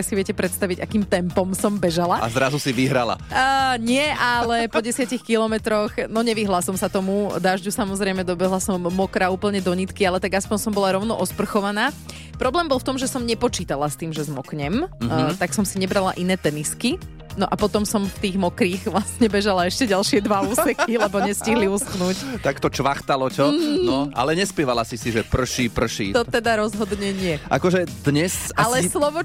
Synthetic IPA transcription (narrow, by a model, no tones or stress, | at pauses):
siʋɪɛcɛpɾɛt̪st̪aʋiɟakiːmt̪ɛmpɔmsɔmbɛʒalaa̰zɾazusiʋiɦɾa̰la̰ɲɪɛʔalɛpɔɟɛsɪacixkilɔmɛt̪ɾɔxnɔɲɛʋiɦlasɔmsat̪ɔmud̪aːʒɟusamɔzɾɛɪmɛd̪ɔbɛɦlasɔmːɔkɾauːpl̩ɲɛd̪ɔɲit̪kialɛt̪aɡaspɔɲsɔmbɔlaɾɔʊnɔʔɔspr̩xɔʋanaː | pɾɔblɛːmbɔlˠft̪ɔmʒɛsɔmɲɛpɔt͡ʃiːt̪alast̪iːmʒɛzmɔkɲɛmt̪aksɔmsiɲɛbɾala̰ʔinɛːt̪ɛniski | nɔʔapɔt̪ɔmsɔmft̪iːɣmɔkɾiːɣʋlasɲɛbɛʒalaɛʃcɛɟalʃɪɛd̪ʋauːsɛxilɛbɔɲɛsciɦliusxnuːct̪akt̪ɔt͡ʃʋaxt̪alɔcɔnɔʔa̰lɛɲɛspɛʋalasisiʒɛpr̩ʃipr̩ʃḭt̪ɔt̪ɛd̪aɾɔzɦɔd̪ɲɛɲɪɛʔa̰kɔʒɛd̪ɲɛsalɛslɔʋɔ